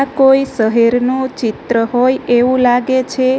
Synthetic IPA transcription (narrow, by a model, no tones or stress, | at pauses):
koisəɦiɾnot͡ʃɪt̪ɾəɦojeʋũlaɡet͡ʃʰe